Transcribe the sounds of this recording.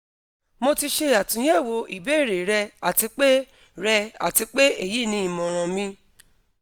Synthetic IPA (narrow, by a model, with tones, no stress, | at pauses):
mo˧ti˧ʃe˧a˨tũ˨˦j̃ɛ˦˨wo˧˦ḭ˨be˨˦˨ɾe˨ɾɛ˧a˨ti˧k͡pe˦ | ɾɛ˧a̰˨ti˧k͡pe˦e˦˨ji˦˨nĩ˧˦i˨mɔ̃˨ɾ̃ɔ̃˨mĩ˧